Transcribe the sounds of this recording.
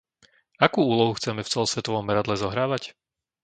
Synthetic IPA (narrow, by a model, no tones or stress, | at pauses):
akuːuːlɔɦuxt͡sɛmɛft͡sɛlɔsʋɛt̪ɔʋɔmːɛɾad̪lɛzɔɦɾaːʋac